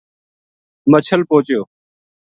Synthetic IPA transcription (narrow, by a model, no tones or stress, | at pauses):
mət͡ɕʰəlpoːt͡ʃjoː